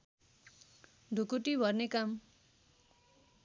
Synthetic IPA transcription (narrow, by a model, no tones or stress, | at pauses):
ɖʱukuʈibʱʌrnekam